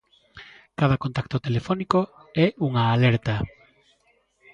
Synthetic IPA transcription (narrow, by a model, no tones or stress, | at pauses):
kaðɐkont̪ak̚t̪ot̪elefɔnikoɛuŋaːlɛɾt̪ɐ